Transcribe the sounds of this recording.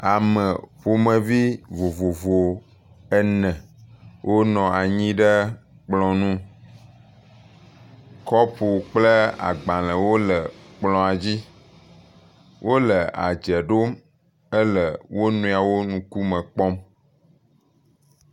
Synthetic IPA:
a˨mə̃˨ɸo˨mə̃˨vi˦vo˨vo˨vo˨ | ɛ˦nɛ̃˨wʔo˦nɔ̃˨a˨ɲĩ˦ɖə˦ | k͡plɔ̃˨nũ˦ | kɔ˦ɸo˨k͡plə˦a̰˨ɡ͡bã˨lə̃˨wo˦lə˨k͡plɔ̃˨a˨d͡ʑi˦ | wʔo˦lə˨a̰˨d͡ʒɛ˨ɖo˦m | ə˦lə˨wʔo˦nũ˨a˨wo˦nũ˨ku˦mə̃˨k͡pɔ˦m

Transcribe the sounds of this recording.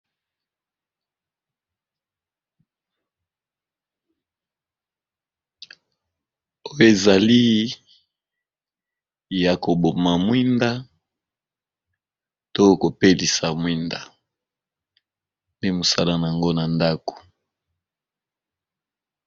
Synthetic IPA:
o˦jo˨e˨za˨li˦ | ja˨ko˨bo˨ma˨mwi˦nda˦ | to˦˨ko˨pe˦li˨sa˨mwi˦nda˨ | nde˦mo˨sa̰˦la˦˨na˨a˨ŋɡo˦na˨nda˦ko̥˨

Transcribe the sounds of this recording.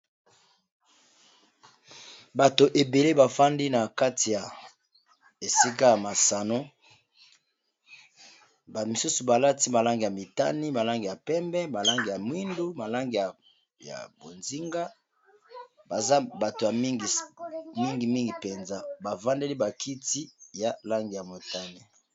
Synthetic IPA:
ba˨to˨ʔe˨be˨le˦ba˨fa˦ndi˦na˨ka˦ti˨ja˨ | e˨si˦ka˦ja˨ma˨sa˨no˦ | ba˨mi˨su˦su˨ba˨la˦ti˦ma˨la˦ŋɡi˨ja˨mi˨ta̰˦ni˦ma˨la˦ŋɡi˨ja˨pɛ˦mbɛ˦ma˨la˦ŋɡi˨ja˨mwi˦ndu˦ma˨la˦ŋɡi˨ja˨ | ja̰˨bo˨nzi˦ŋɡa˦ | ba˨za˦ba˨to˨ja˨mi˦ŋɡi˨mi˦ŋɡi˨mi˦ŋɡi˨pɛ˨nza˦ba˨va˦nde˦li˦ba˨kʰi˦ti˦ja˨la˦ŋɡi˨ja˨mo˨ta˦ni˦

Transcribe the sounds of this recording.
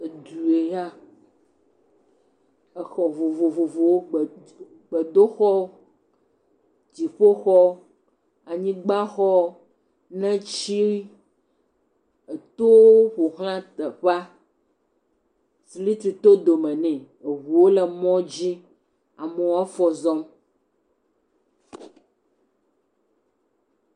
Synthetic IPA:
e˨d̪u˨e˨ja˦ | ɛ˨xɔ˨vo˨vo˨vo˨vo˨wo˦ɡ͡b | ɡ͡be˨d̪o˦xɔ˦ | d͡ʑi˨ɸo˦xɔ˦ | a˨ɲĩ˦ɡ͡ba˦xɔ˦ | nɛ̃˦t͡ɕi˦ɾi˦ | e˨t̪o˦ɸo˨ɦl̃ã˦t̪ɛ˨ɸa˦ | si˨˦li˦t̪ɾi˨t̪o˦d̪o˨mɛ̃˨nɛ̃˨ | e˨ɦu˨wo˦lɛ˨mɔ̃˦d͡ʑi˦ | a˨mɛ˨wa˦fɔ˨zɔ˦m

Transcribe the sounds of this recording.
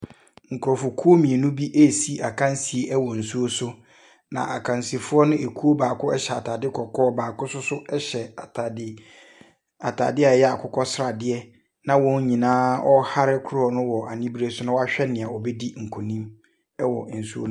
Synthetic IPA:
ŋ̩˨kʰʊ˨ɾɔ˨fʊ˨kʰu˦o˦mĩ˨e˨nũ˦bi˦ʔe˦˨si˦ʔa˨kʰã˦n˦si˨e˦ʔɛ˦wɔ˨n̩˨su˦o˦sʊ˦ | nã̰˨ʔa˨kʰã˨n˨si˨fʊ˦ɔ˦nʊ̃˦e˨kʰu˦o˦baː˨kʰʊ˦ɛ˦ɕɛ˨a˨tʰaː˨dɪ˦kʰɔ˨kʰɔː˦baː˨kʊ˦sʊ˦sʊ˦ɛ˦ɕɛ˨ɪ˦ | a˨tʰa̰ː˨dɪ˦a˨jɛ˦a˨kʰʊ˦kʰɔ˦sɾa˨dɪ˦ɛ˦ | nã˦wɔ̃˦ɲ˦ɲĩ˨nãː˦ʔɔ˦ha˦ɾɪ˦kʰʊ˦ɾɔ˦˨nʊ̃˦wɔ˨ʔa˨nĩ˦bɾe˦sʊ˦nʊ̃˦wɔ˦a˦ɕᶣɛ˦nɪ̃˨a˨ɔ˨bɛ˦di˦ŋ̩˨kʰɔ˨nĩ˦m | ɛ˦wɔ̰˨n̩˨su˦õ̰˦

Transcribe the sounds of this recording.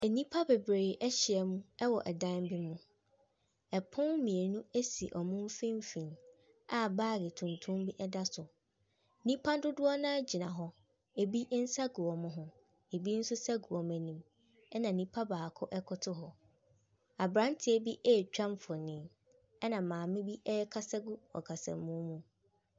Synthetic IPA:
ɛ˨nĩ˦pʰa˦be˨bɾeː˨ʔɛ˦ɕɪ˨ɛ˨mũ˦ɛ˦wɔ˨ʔɛ˨dã˦nbi˦mũ˦ | ɛ˨pʰʊ̃˦nmĩ˨e˨nũ˦e˦sḭ˨ʔɔ˨mũ˦m˦fĩ˦m˦fĩ˨n | a˦baː˦˨ɾɡɪ˨tʰũ˨ntʰũ˦m˦bi˦ʔɛ˦da˦sʊ˨ | nĩ˦pʰa˦dʊ˦dʊ˦ɔ˦nã˦d͡ʑi˨nã̰˨ɦɔ˦ | e˨bi˦n̩˦sa˦ɡu˨ɔ˨mʊ̃˦ɦʊ̃˦ | e˨bi˦n̩˦sʊ˦sa˦ɡu˨ɔ˨mæ̃˨nĩ˨m | ɛ˦nã˨nĩ˦pʰa˦baː˨kʰʊ˦ʔɛ˦kʰʊ˦tʰʊ˦ɦɔ˨ | a˨bɾã˦n˦tʰɪ˨˦e˦bi˦ʔɛː˦˨t͡ɕᶣã˦m˦fɔ˨nĩ˨˦ | ɛ˦nã˨mãː˨mɪ̃˦bi˦ʔɛ˦ɛ˦kʰa˦sa˦ɡu˦ɔ̰˨kʰa˨sã̰˨mːũ˦mũ˦

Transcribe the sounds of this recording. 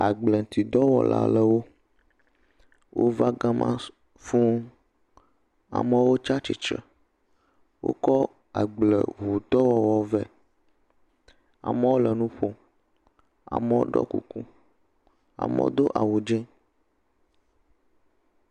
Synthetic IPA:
a˨ɡ͡blə˨t̪ʰi˨d̪ɔ˦wɔ̰˨la̰˨lə˦wo˦ | wʔo˦va˦ɡã˦mʔã̰˦ | fũ˦ | a̰˨mə˦wo˦t͡ʃa˦t͡ʃi˨t͡ʃə̰˨ | wʔo̰˦kɔ˦ | a˨ɡ͡blə̰˨βu˨t̪ɔ˦wɔ˦wɔ˨vɛ˦ | a̰˨mə˦wo˦lə˨nũ˦ɸo˦ | a̰˨mə˦wo̰˦ɖɔ̰˦kṵ˨ku˦ | a̰˨mə̰˦wo̰˦d̪o˦ʔa˨wu˨d͡ʒɛ̃˦

